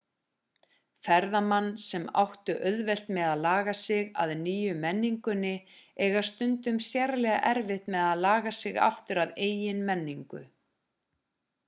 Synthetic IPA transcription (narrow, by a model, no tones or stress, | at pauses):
fɛɾðamanːsɛma̰wht̪ʏʔœðvɛl̥t̪mɛðaðlaːɣasɪɣa̰ðniːjʏmɛnːiŋkʏnːɪɛɣḁst̪ʏnt̪ʏmsjaɾlɛɣa̰ʔɛɾvɪht̪mɛðaðlaːɣasɪɣa̰ft̪ʏɾaðeːjjɪnmɛnːiŋkʏ̰